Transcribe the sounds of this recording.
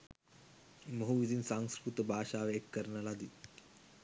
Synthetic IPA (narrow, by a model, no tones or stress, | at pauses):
mɐɦuʋizinsaŋskɾut̪ɐbʱaːʃaːʋeekːɐɾnɐlad̪i